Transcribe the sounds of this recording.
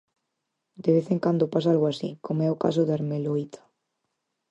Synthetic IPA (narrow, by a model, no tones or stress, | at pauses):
d̪eβ̞eθeŋkand̪opas̬aalɣoasikomoɛoka̰s̬oðaɾmeloit̪ʰḁ